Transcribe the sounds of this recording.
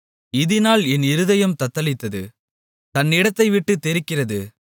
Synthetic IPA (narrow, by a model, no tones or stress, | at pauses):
ɪðɪnaːlɛnɪɾɯðɐjɐmt̪ɐt̪ːɐlɪt̪ːɐðɯ̰ | t̪ɐnːɪɽɐt̪ːɐɪʋɪʈːɯt̪ːɛɾɪkːɪrɐðɯ